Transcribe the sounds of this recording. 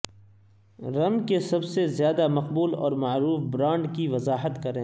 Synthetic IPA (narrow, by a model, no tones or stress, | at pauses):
ɾɐnkesɐbsezjaːd̪amɐqbuːlɔ̰ːɾmaːɾuːfbɾãːɳɖkiʋɐzaːɦət̪kɐɾẽː